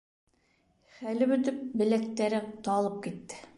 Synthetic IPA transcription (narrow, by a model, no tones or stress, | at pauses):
χælɘbɵ̆t̪ɘp̚bɘ̆læk̚t̪æɾɘt̪ɑlˠɤp̚kit̪ːɘ̥